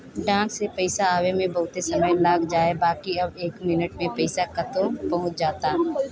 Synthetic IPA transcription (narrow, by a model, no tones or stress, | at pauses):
ɖãːksepɛɪsaaːwemẽbɐɦʊt̪esɐməjlaːɡd͡ʒaːebaːkiɐbeːkmɪnəʈmẽpɛɪsakɐt̪õpɐɦʊ̃t͡ʃd͡ʒaːt̪aː